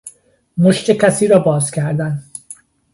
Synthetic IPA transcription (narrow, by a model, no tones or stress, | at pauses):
moʃt̪ʰecʰæsiːɾɒːbɒːzcʰæɾd̪æn